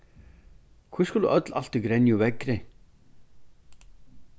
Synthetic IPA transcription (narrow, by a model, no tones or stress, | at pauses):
kʰvɪskulðṵʔœt̪la̰l̥t̪ɪkɾenjuvɛkɾɪ